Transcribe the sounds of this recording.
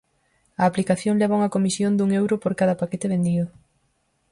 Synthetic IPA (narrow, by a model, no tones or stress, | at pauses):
ɐːplikaθjoŋleβauŋɐkomisjond̪uŋewɾopoɾkaðɐpaket̪eβend̪iðʊ